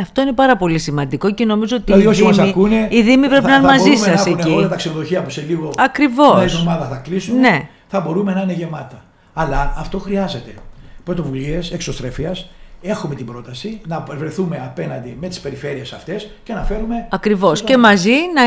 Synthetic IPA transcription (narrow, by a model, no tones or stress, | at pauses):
ɐft̪o̞ine̞pɐɾɐpo̞lisimɐnd̪iko̞ce̞no̞mizo̞ot̪iɐðioçiɐsmɐikuneiðimipɾe̞pinɐnmɐzisɐsecilɐt̪ɐksenoðo̞çiɐpuseliɣo̞ɐkɾivo̞somɐðɐθɐklisumne̞ | θɐbo̞ɾume̞nɐineʝe̞mɐt̪ɐː | ɐlɐːft̪o̞xɾiɐze̞t̪e̞pɾo̞t̪o̞vulieseksost̪ɾefiɐse̞xume̞t̪ibɾo̞t̪ɐsinɐvɾe̞θume̞ɐpe̞nɐnd̪ime̞t̪i̥spe̞ɾife̞ɾie̞sɐft̪e̞scenɐfe̞ɾume̞ɐkɾivo̞ssce̞mɐzinɐ